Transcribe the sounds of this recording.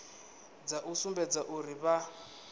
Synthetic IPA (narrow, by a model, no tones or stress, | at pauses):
d͡zaʔusumbɛd͡zaʔuɾiβa